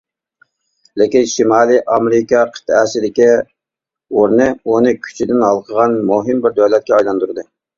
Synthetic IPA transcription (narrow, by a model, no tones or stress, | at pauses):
lɪkʲinʃimɑːlˠiʔɑmeɾɪkɑqʰə̥t̪ʰɛsɪd̪ɪkʲi | oɾnɨunɨkʲʰy̥t͡ʃʰid̪ɪnhɑlˠqʰəʁɑnmuɦɨmbɪɾd̪øwlɛt̪̚kʲɛɑjlˠɑnd̪uɾɨd̪ɨ